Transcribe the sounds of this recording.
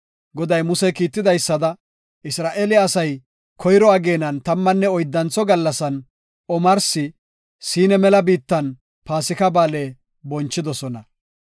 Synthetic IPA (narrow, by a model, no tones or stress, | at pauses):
ɡɔd̪ɐjmʊsɛkiːt̪ːɪd̪ɐjsːɐd̪ɐ | ʔɪsɾaːʔelɪɐsɐj | kʰɔjɾɔɐɡe̞ːnɐnt̪ɐmːɐnːɛɔjd̪ːɐnt͡sɔɡɐlːɐsɐn | ɔmɐɾsɪ | siːnɛmɛlɐbiːt̪ːɐn | paːsɪkɐbaːleː | bɔnt͡ʃːɪd̪ɔsɔnɐ